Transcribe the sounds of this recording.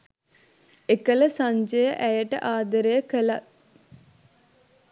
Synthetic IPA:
ekələsaɲd͡ʒəjəʔæjəʈə̰ʔaːd̪əɾejəkəla

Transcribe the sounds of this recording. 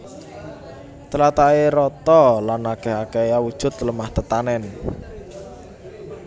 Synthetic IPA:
t͡ʃəlat̪aeɾɔt̪ɔlanakɛɦakejawud̥ʒ̥ʊ̤t̪ləmaht̪ət̪anɛn

